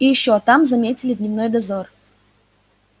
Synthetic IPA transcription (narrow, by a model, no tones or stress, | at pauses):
ijɪɕːot̪amzɐmʲetʲɪlʲɪd̪ʲnʲɪvnojd̪ɐzor